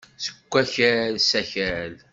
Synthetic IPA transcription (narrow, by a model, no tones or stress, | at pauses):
sə̥kʷːæçælsæçæl